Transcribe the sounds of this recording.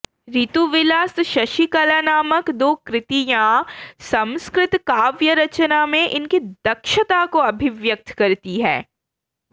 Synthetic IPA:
ɾit̪uʋɪlaːst̪ʃɐʃikɐlaːnaːməkd̪oːkɾɪt̪ijãːsɐ̃mskɾɪt̪kaːʋjəɾɐt͡ʃənamẽʔɪnkid̪̥ɐkʃət̪akoɐbʱɪʋjək̚t̪ʰkɐɾt̪iɦɛ̃ː

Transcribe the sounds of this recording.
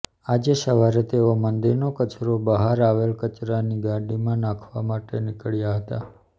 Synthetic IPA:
ad͡ʒeʃəʋaɾet̪eomənd̪iɾnokət͡ʃɾobəɦaɾaʋelkət͡ʃɾaniɡãɖimãnãkʰʋamaʈenɪkəɭjaɦət̪a̰

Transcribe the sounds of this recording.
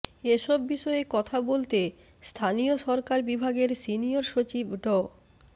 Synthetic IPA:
eʃɔbːiʃɔekɔt̪ʰabolt̪e | st̪ʰanioʃɔɾkaɾbibʱaɡeɾsinioɾʃot͡ɕibʱɖɔ

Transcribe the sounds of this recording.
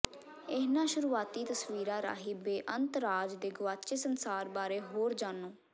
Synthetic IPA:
ɪɦnãːʃʊɾuːaːt̪iːt̪əsʋiːɾãːɾa̰ːɦiːbeːʔənt̪əɾaːd͡ʒd̪eːɡʊʋaːt͡ʃeːsənsaːɾbaːɾeːɦoːɾd͡ʒaːnoː

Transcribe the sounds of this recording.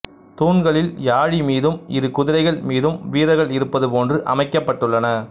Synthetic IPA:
t̪uːnɡɐɭɪljaːɻimiːðɯmɪɾɯkʊðɪɾɐɪɣɐɭmiːðɯmʋiːɾɐɣɐɭɪɾɯpːɐðɯpoːndrɯʔɐ̰mɐɪkːɐpːɐʈːɯɭːɐnɐ

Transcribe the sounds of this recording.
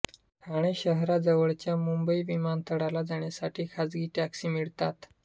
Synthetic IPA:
aɽ̃eɕəɦɾad͡zəʋəɭt͡ɕjamumbəiʋimant̪ʰəɽalad͡zaɳjasaʈʰiːkʰad͡zɡiːʈaksiːmiɭt̪at̪

